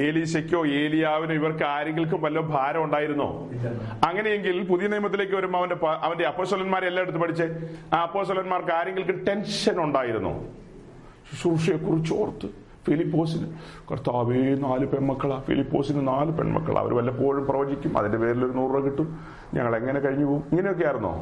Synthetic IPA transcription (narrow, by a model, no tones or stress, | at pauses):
e̞ːlisekʲːo̞ːe̞ːlijaːʋinoːiʋɐrkɨaːɾeŋɡilk̬ɨmʋɐlːɐbʱaːɾɐmuɳɖaːjiɾunːo̰ː | ɐŋːɐne̞jeŋɡilpuðijɐnijmɐt̪ːile̞ːkːɨʋɐɾumboɐʋɐndepaʔɐʋɐndeɐpːoːsʈːɐlɐnmaːɾelːaeɽut̪ːɨpɐʈʰit͡ɕːɨaɐpːo̞ːsʈːɐlɐnmaːrkɨaːɾe̞ŋɡilkɨʈe̞nʂɐnuɳɖaːjiɾunːo̰ː | sruʂijekːurit͡ɕːoːrt̪ːɨ | filipːo̞ːsinɨ | kɐrt̪aːʋenaːlɨpeɳmɐkːɐɭafḭlipːoːsinɨnaːlɨpḛɳmɐ̰kːɐ̰ɭ̰ɐ̰ʋɐ̰ɾɨʋɐlːɐpoːɻumprɐʋɐɲd͡ʑikʲːumɐ̰ðindepe̞ːɾilo̞ɾunuːrrɐkːiʈːum | ɲɐ̰ŋːɐɭe̞ŋːɐne̞kɐɻiɲːupoːumiŋːɐne̞jo̞kːejaːjiɾunːo̰